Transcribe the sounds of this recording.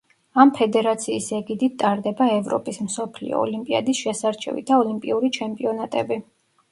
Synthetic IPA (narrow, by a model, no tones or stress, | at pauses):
ampʰɛd̪ɛɾat̪sʰiːsɛɡid̪it̪̚t̪ʼaɾd̪ɛbaɛvɾɔ̰pʼismsɔpʰlḭɔ̰ɔ̰limpʼia̰d̪isʃɛsaɾt͡ʃʰɛ̰vḭd̪aɔlimpʼiuɾit͡ʃʰɛmpʼiɔnat̪ʼɛbi